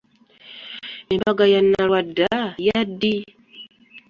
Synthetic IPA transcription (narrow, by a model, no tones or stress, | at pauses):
nembaɡajanːaɾwadajadi